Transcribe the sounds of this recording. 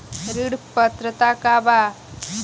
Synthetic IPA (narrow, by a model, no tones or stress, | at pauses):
ɾiɽpət̪ɾət̪akaba